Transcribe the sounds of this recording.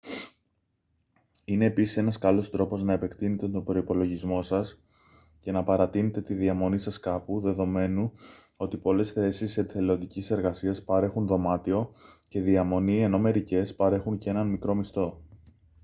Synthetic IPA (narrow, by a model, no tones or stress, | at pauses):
ine̞ːpisise̞nɐskɐlo̞st̪ɾo̞po̞znɐepe̞kt̪ine̞t̪et̪o̞bɾo̞ipo̞lo̞ʝizmo̞sɐs | ce̞nɐpɐɾɐt̪ine̞t̪e̞t̪iðiɐmo̞nisɐskɐpuðe̞ðo̞me̞nu | o̞t̪ipo̞le̞sθe̞siset̪iθeleond̪icise̞ɾɣɐsiɐspɐɾe̞xunðo̞mɐt̪io̞ce̞ðiɐmo̞nie̞no̞me̞ɾice̞spɐɾe̞xuncee̞nɐnmikɾo̞mist̪o̞